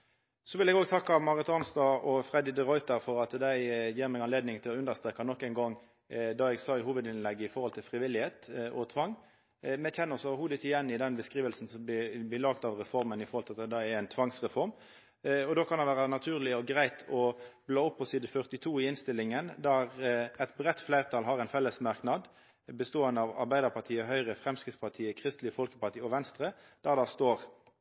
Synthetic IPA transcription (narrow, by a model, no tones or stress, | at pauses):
sɔʋɪlɛɡoːɡ̚t̪ʰɑkːɑmɑːʁət̪ɑnst̪ɑʔɔfʁɛd̪ɪd̪əʁɔʏt̪əɾfɔɾɑt̪d̪æɪjiːɾmɛːɡɑnleːd̪nɪŋt̪ʰɪlɔʉnd̪əʁst̪ʁeːkɑnɔkːæɪnɡɔŋ | d̪ɑɛɡsɑːɪhuːʋəd̪ɪnlɛɡːəɪfɔʁhɔlt̪ʰɪlfʁɪʋɪlːɪheːt̪ʔɔt̪ʰʋɑŋː | mɛçɛnːəsɔːʋəɾɦuːd̪ət̪ɪjɛnːɪd̪ɛnbəskɾiːʋəlsn̩sɔmɪb̪ɪlɑːɡt̪ɑʋʁɛfɔʁmənɪfɔɾʁhɔlt̪ʰɑd̪æɪɛæɪnt̪ʰʋɑŋsʁɛfɔɾm | ɔd̪oːkʰɑnɑnʋæːʁɑnɑt̪ʰʉːʁlɪɔɡʁæɪt̪ʰɔb̥loːɔpːɔsɪd̪̩fœʁt̪ɪt̪ʰuːɪɪnst̪ɪlːɪŋənd̪æɾɛt̪bɾɛt̪ːflæɪʁt̪ʰɑlɦɑɾɛɪnfɛlːəsmɑʁknɑd̪ | bəst̪oːənd̪əɑʋɑ̰ɾbæɪd̪əʁpʰɑʁt̪ʰiːəɦœʏʁəfɾɛmskɾɪt̪spʰɑʁt̪ʰiːəkʰʁɪst̪lɪəfɔlkəpɑʁt̪iːɔʋɛnst̪ɾə | d̪̥æʁd̪æst̪oːɾ